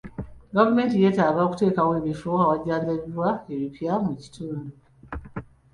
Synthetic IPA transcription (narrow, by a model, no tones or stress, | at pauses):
ɡavume̞ːntije̞ːtaːɡaoku̥te̞ːkaweːβifoawaɟaːnzeβwaeβipjamuci̥tuːndu